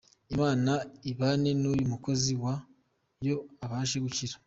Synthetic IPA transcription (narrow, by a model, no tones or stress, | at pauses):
imaːnaiβaːne̞nuːjumuko̞ziwa | jo̞aβaːʃeɡuciɾḁ